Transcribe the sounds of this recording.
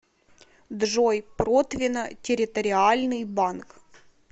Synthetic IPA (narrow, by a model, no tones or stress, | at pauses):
d̪ʐojpɾot̪vʲɪnətʲɪɾʲɪt̪əɾʲɪalʲnɨjbank